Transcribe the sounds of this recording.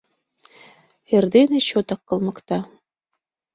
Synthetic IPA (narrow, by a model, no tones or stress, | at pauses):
erd̪enĕɕot̪ɑkːɤ̆lˠmɤ̆kt̪ɑ